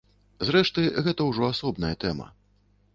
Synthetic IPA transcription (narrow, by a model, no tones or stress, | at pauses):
zɾɛʂt̪ɨɣɛt̪ɐwʐɔasɔbnɐjɐt̪ɛmɐ̰